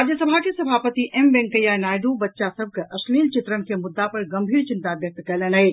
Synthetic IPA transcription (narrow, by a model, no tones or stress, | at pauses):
ad̪jəsɐbʱakesɐbʱaːpət̪iʔembɛ̃ŋkəjanaːjɖ̪ubɐtːʃasɐb̚kɐʔɐʃliːlt͡ʃɪt̪ɾənkemʊd̪ːapɐɾɡɐmbʱiːɾt͡ʃɪnt̪abjɐk̚t̪kɐlɐnaɦe